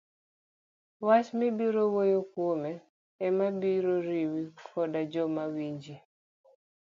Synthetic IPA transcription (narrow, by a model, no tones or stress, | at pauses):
wasmibiɾowojokwomɛː | mabiɾoɾiwikʰɔdad͡ʒɔmawiɲd͡ʒi